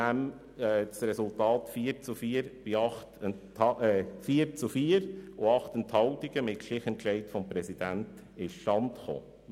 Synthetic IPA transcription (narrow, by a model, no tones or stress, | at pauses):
æmː | sɾɛsultɑːtfiːəɾt͡sufiːəɾb̥ɪɑχt | ɑfiːəɾt͡sufiːəɾʊɑχt̪ənthɑwtiɡ̥əmɪtʃlɪχənklɛɪtfɔmpɾɛsid̥ænt | ɪʃʃtɑntχo̰ː